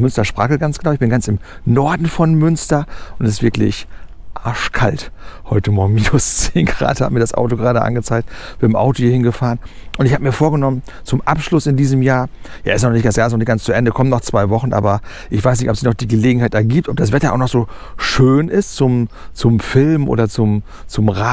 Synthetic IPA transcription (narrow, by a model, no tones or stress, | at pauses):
mʏnstɐʃpʁ̥aːkəɡant͡sɡ̥ənaʊɪçb̥ɪnɡant͡sɪmnɔɐdn̩fɔnmʏnstɐʔʊntɛsɪstvɪɐklɪ̰ç | ʔaɐʃkʰalthɔʏtəmɔːɐɡŋ̩miːnʊst͡seːnɡʁa̰ːtha̰ːbəmiɐdasʔa̰ʊtoɡəʁaːdəʔa̰nɡət͡saɪk̚tb̥ɪɐɪmʔa̰ʊtohiːhɪnɡəfaːʁənʔʊntɪçhaːbəmiːɐfoːɐɡənɔmən | t͡sʊmʔapʃlʊsɪndiːzəmjaːɐja̰ːʔɪstnɔχnɪçt̚d̥asjaːɪsnɔnɪçkɡ̥ant͡st͡sʊʔɛndəkʰɔmənːɔχt͡sv̥aɪvɔχn̩ʔa̰ːbɐ | ʔɪçv̥aɪsnɪçtɔpz̥içnɔχd̥iːɡəleːɡŋ̩haɪtʔɛɐɡiːp̚tʔɔp̚d̥asv̥ɛtɐʔa̰ʊxnɔxz̥oːʃøːnɪstt͡sʊmt͡sʊmfɪlmʔo̰ːdɐt͡sʊm | t͡sʊmʁa